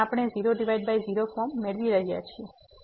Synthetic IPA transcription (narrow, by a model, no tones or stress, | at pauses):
apɽ̃eziɾoɖiʋajɖ̚bajziɾofɔɾmːeɭʋiɾəɦija̰t͡ʃʰie